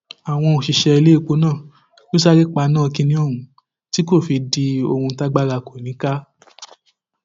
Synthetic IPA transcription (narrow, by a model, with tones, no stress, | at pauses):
a˨w̃ɔ̃˧o˨ʃi˨ʃɛ˧i˧le˦˨k͡po˨˧˦nãː˦˨ | jo˦sa˦ɾi˦k͡pa˧nãː˦˧kĩ˧nĩ˧˦o˦˨ũ˨ | ti˦ko˦˨fi˧di˧o˧hũ˧˦ta˦ɡ͡ba˦la˧ko˨nĩ˨˦ka˦